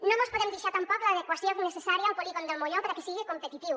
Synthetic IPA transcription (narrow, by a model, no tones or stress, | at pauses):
nõmbospoðemd̪iʃaɾt̪ampɔkolaːðekwasjoŋnesesaɾjawpoliɣond̪elmoʎopaɾakesiɣekompet̪it̪iw